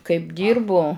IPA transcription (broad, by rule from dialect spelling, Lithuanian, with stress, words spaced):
kɐɪp ˈdʲiːrbʊ